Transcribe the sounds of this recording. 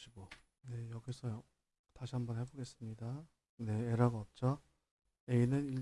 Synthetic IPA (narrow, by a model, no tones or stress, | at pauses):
ɕʰiɡo | ne̞jʌɡiesʰʌjo | taɕʰiɦambʌnhe̞boɡe̞s͈ɯmɲida | ne̞eɾaɡaʌp̚t͡ɕ͈ʌ | einɯniɭ